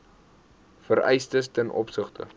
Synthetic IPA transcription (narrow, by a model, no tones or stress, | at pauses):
fəɾɛ̰jstəstɛnʔɔ̰psəχtə̰